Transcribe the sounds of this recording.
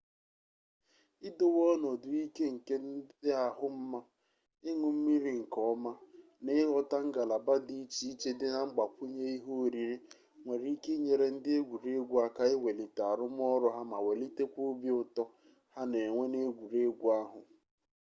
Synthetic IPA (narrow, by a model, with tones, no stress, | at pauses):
ɪ˦do˦wɔ˦nɔ˨dʊ˨i˦ke˦ŋ̩˨ke˦dɪ˦a˨ɦʊ˦m̩˦ma˦ | ɪ˦ŋʊ˨m̩˦mi˦ɾi˦ŋ̩˨kɔ˦ma˦ | nɪ˦lɔ˦ta˦ŋ̩˦ɡa˨la˨ba˦di˦t͡ʃi˦i˦t͡ʃe˦dɪ˦na˨ŋ͡m̩˦ɡ͡ba˨kʷʊ˦ɲe˦i˦ɦo˦˨ɾi˨ɾi˦ | ŋʷe˨ɾi˨i˦ke˦ɲe˨ɾe˨n̩˦dɪ˦e˦ɡʷu˨ɾe˦ɡʷu˦a˦ka˦ɪ˦we˨li˨ta˨a˨ɾʊ˦m˦ɔ˦ɾʊ˦ɦa˦ma˨we˨li˦te˦kʷu˦bi˦ʊ˦tɔ˦ | ha˦ne˨ŋʷe˦ne˦ɡʷu˨ɾe˦ɡʷu˦a˦ɦʊ˨